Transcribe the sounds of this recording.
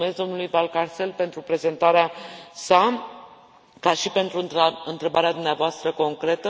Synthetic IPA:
me̞zd̪omnulujvalkarse̞lpe̞nt̪ɾupɾe̞ze̞nt̪aɾeasa | kaʃipe̞nt̪ɾuaɨnt̪ɾe̞baɾead̪umneavoast̪ɾəko̞ŋkɾe̞t̪ə

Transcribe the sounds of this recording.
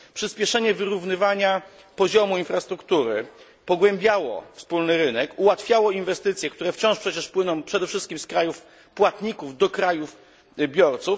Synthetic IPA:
pʂɘspʲjɛʂɛɲɛvɘɾuvnɘvaɲa | pɔʑɔmuinfɾast̪ɾukt̪uɾɘ̰ | pɔɡwɛmbʲjawɔ̰fspulnɘɾɘnɛkuwat̪fʲjawɔinvɛst̪ɘt̪sʲjɛkt̪uɾɛft͡ɕɔ̃ʂpʂɛt͡ɕɛʂpwɘnɔ̃w̃pʂɛd̪ɛfʂɘst̪̚kʲimskɾajuf | pwat̪ɲikuvd̪ɔkɾajuf | bʲjɔɾt̪suf

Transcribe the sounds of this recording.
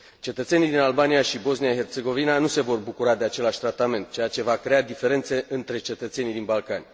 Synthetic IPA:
t͡ʃe̞t̪ət̪se̞nijd̪inalbanijaʃibo̞znijaɦe̞rt̪se̞ɡo̞vinanuse̞vo̞rbukuɾad̪e̞at͡ʃe̞laʃʲt̪ɾat̪ame̞nt̪̚t͡ʃe̞jat͡ʃe̞vakɾe̞ad̪ife̞ɾe̞nt̪se̞ʔɨnt̪ɾe̞t͡ʃe̞t̪ət̪se̞nid̪inbalkanʲ

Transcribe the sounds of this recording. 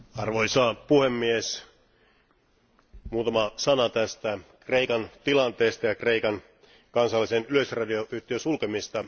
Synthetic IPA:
ɑrʋojsɑːpuhemːies | muːt̪ɑmɑsɑnɑt̪æst̪ækreikɑnt̪ilɑnt̪eːst̪ɑjɑkreikɑn | kɑnsɑlːisenyløsrɑdioʔyht̪iosulkemist̪ɑ

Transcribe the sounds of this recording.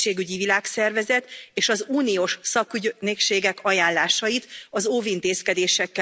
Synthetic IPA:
eːɡyɟivilaːksɛrvɛzɛt̪eːʃɒzuːnioːʃsɒkyɟnekʃeːɡɛkɒjaːnlaːʃɒjit̪ɒzoːvint̪eːskɛd̪eːʃɛkːɛ

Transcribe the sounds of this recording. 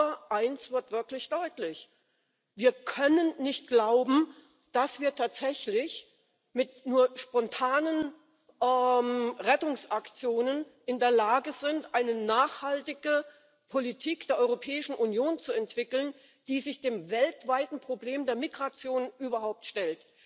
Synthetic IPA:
ɐʔaɪnsv̥ɪɐtv̥ɪɐklɪçd̥ɔʏtlɪç | viːɐkʰœnənːɪçt̚ɡ̥laʊbm̩ | d̥asv̥iːɐtʰaːtz̥ɛçlɪç | mɪtnuːɐʃpɔntʰaːnən | ʔɛmʁɛtʊŋsʔakt͡sjoːnənʔɪndeːɐlaːɡəzɪntʔaɪnənaːχhaltɪɡə | pʰolitʰiːkd̥eːɐʔɔʏʁopʰɛːɪʃn̩ʔunjoːnt͡suɛntv̥ɪkl̩n | d̥iːzɪçd̥eːmvɛltv̥aɪtn̩pʁ̥obleːmdeːɐmiɡʁat͡sjoːnʔyːbɐhaʊp̚tʃtɛlt

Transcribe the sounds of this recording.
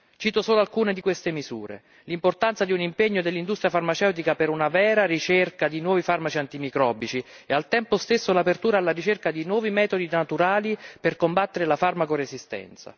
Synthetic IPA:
t͡ʃiːt̪osoːloalkuːned̪ikwest̪emizṵːɾḛ | limport̪ant̪sad̪iunimpeɲːod̪elːind̪ust̪ɾjafarmat͡ʃɛwt̪ikapeɾunavɛːɾaɾit͡ʃerkad̪inwɔːvifarmat͡ʃiant̪imikɾɔːbit͡ʃi | ealt̪ɛmpost̪esːolapert̪uːɾaːlːaɾit͡ʃerkad̪inwɔːvimɛːt̪od̪inat̪uɾaːliperkombat̪ːeɾelafarmakorezist̪ɛ̰nt̪sa̰

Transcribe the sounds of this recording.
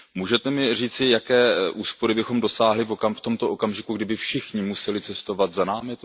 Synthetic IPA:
muːʒɛt̪ɛmɪr̝iːt͡sɪjakɛːʔuːspo̞ɾɪbɪxo̞mdo̞saːɦlɪvo̞kamft̪o̞mt̪o̞ʔo̞kamʒɪkuɡdɪbɪfʃɪxɲɪmusɛlɪt͡sɛst̪o̞vat̪zanaːmɪt̪

